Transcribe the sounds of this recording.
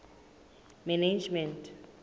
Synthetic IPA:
mɛned͡ʒmɛntʰʼ

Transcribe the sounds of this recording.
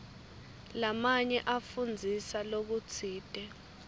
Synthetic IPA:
lamaɲɛʔafund͡zʱisalok̬ut͡sʰiːtʼɛ

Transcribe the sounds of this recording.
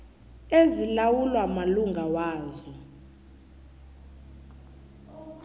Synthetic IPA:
ezilawulwamaluŋɡʱawaːzɔ

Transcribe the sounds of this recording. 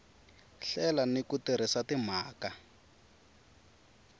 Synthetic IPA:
ɬɛlanikutiɾ̤isatim̤aːka

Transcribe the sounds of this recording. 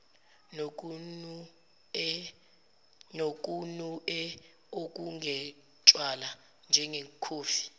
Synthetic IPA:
nok̬ʼunuɛ | ok̬ʼuŋʱɛ | t͡ʃʼwala | nd͡ʒʱɛŋɛkʰoːfi̥

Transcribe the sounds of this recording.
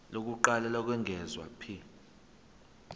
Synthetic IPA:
lok̬ʼuǃalalɔk̬ʼwɛŋɡʱɛzwa̰pʰi

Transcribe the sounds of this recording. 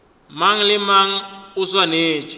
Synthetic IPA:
maŋ̩lɪmaŋ̩ʊswaneːt͡ʃʰʼi̥

